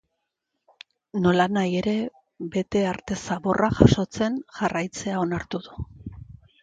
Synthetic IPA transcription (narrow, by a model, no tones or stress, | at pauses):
no̞lanaje̞ɾe̞ | be̞t̪e̞aɾt̪e̞saβo̞rʔaʝaʃo̞t͡se̞nʝarajt͡se̞ao̞naɾt̪uðu